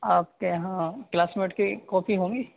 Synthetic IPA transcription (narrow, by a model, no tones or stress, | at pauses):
aːp̚keɦãklaːsmɪnɪʈkikɔːpʰiɦõːŋɡiː